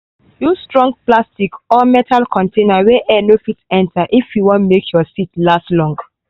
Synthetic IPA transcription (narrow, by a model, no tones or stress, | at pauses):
justɹɔ̃ŋɡ̚plastikɔmɛtʰalkʰɔ̃ntʰẽnaweʔɛnofitɛ̃ntʰaʔifjuwɔ̃ntmekʰjɔsitlastlɔ̃ŋɡ